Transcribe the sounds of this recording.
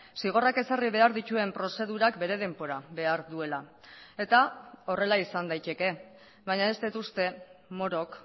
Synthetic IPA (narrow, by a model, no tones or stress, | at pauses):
siɣ̞o̞rake̞sariβe̞aɾðit͡ʃ̪ue̞mpɾo̞se̞ðuɾakbe̞ɾe̞ð̞e̞mbo̞ɾaβe̞aɾðue̞lae̞t̪ao̞re̞laisand̪ajt̪e̞ke̞ | βajɲaest̪et̪ust̪e̞mo̞ɾo̞k